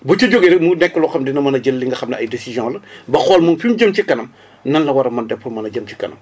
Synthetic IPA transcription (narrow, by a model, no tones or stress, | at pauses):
but͡ʃuɟoɡiɾmunɛkːɐlɔxɐmdinɐmɐnɐɟəlːiŋɡɐxɐmnɐɐjdesizjɔ̃lɐbɐxɔːlmunfimd͡ʒəmcikɐnɐm | nɐnlɐwɐɾɐmɐndɛpːɔlmɐnɐɟɐmci̥kɐ̰nɐ̰m